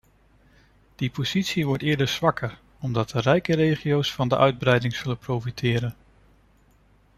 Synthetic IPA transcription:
d̥ipoz̥itsiʋɔɹtɪːɹdəɹz̥ʋɑkʰəɹ | ɔmdɑt̚dərɛjkərejχiowsfɑndəʔœɥd̚brɛjdɪŋz̥ɵlənprowfitʰɪːɾən

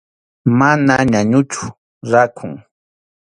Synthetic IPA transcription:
manaɲaɲʊt͡ʃʊ̥ | ɾakʰʊŋ

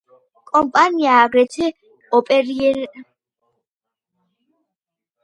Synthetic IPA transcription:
kʼɔmpʼaniaːɡɾɛtʰɛ | ɔpʼɛɾiɛɾ

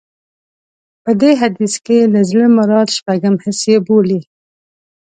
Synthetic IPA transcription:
pəd̪eːɦɐd̪iskeləzleməɾɑːt̪ʃpɐɡəmhɪsjebuːliː

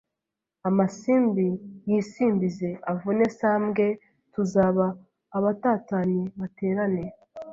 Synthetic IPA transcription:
amasiːmbijiːsiːmbize̞avune̞saːmɡe̞ | tuzaːβaː | βataːtaniβate̞ːɾane̞

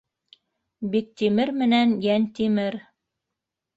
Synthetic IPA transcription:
bik̚t̪imɘɾmɘ̆nænjænt̪imɘɾ

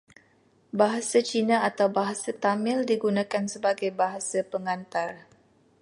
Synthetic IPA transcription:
baɦasat͡ʃinãat̪awbaɦasat̪amɪ̃ldiɡunãkansəbaɡajbaɦasapəŋant̪ar

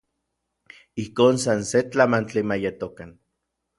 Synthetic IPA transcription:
ihkoːnsanset͡ɬamant͡ɬimajet̪okan

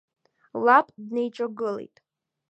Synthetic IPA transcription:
lapʼdne̞jt͡ʃʼoɡɨlḛjtʼ

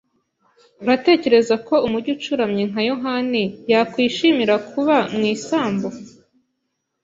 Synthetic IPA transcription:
uɾate̞ːce̞ɾe̞zako̞umuɟut͡ʃuɾamɲeŋ̥ajoɦanijakwiːʃimiɾakʰuβamŋiːsaːmbo

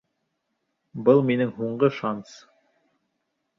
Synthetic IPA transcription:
bɤlˠminɘŋɦuɴɢɤʃɑns

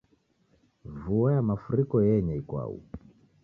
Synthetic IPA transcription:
vuajamafuɾikɔjɛɲɛikwa̰ṵ

